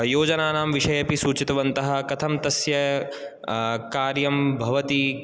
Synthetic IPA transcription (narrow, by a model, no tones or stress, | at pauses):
joːd͡ʒɐnaːnaːmʋiʃɐjɐpisuːt͡ʃit̪ɐʋɐnt̪ɐɦɐ̆kɐt̪ʰɐmt̪ɐsjɐ | kaːɾjɐmbʱɐʋɐt̪i